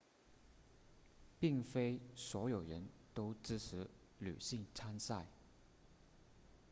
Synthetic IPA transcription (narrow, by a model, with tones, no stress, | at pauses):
pi˥˩ŋfe˥ɪswɔ˧˥jo˨˩ʊɻə˧˦˥nt̪o˥ʊʈ͡ʂɻ̩˥ʈ͡ʂ̩ʰ˧˥ | ly̰˨˩ɕi˥˧ŋt͡sʰa˥nsa˥˩ɪ